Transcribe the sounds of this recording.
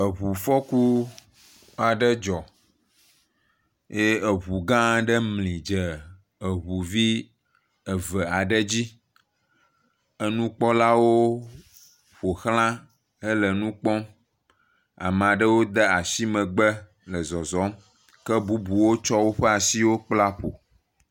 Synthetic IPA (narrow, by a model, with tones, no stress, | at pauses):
ə˨βu˨fɔ˦ku˦ | a˨ɖə˦d͡ʒɔ˨ | je˦ə˨βu˨ɡã˦ɖə˦mlĩ˨d͡ʒə˨ | ə˨βu˨vi˦ | ə˨və˨a˨ɖə˦d͡ʑi˦ | ə˦nũ˦k͡pɔ˦la˦wo˦ | ɸo˨xl̃ã˦ | ə˦lə˨nũ˦k͡pɔ̃˦ | a̰˨m˨a˨ɖə˦wo˦d̪ə˦a˨si˦mə̃˨ɡ͡bə˦ | lə˨zɔ˨zɔ˨˦m | kə˦bu˦bu˨wo˦t͡ʃɔ˦wo˦ɸɛ˦a˨si˦wo˦k͡pla˦ɸo˨